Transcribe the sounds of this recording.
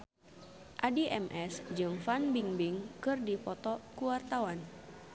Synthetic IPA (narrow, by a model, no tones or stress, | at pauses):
ʔadiʔɛmʔɛsd͡ʒɨŋfanbiŋbiŋkɨrdipɔt̪ɔkuwart̪awan